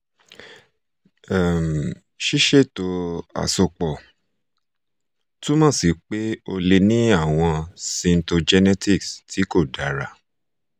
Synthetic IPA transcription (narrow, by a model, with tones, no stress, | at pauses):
ɛ˨m̩˨ | ʃi˦ʃe˦˨to˧˦a̰˨so˧k͡pɔ˨ | tũ˦mã˦˨si˨˦k͡pe˦o˧le˧nĩ˦a˦˨w̃ɔ̃˧sĩ˧n̩˦to˧d͡ʒɛ˧nɛ˦ti˦˨kstʰi˨˦ko˦˨da˨˦ɾa˨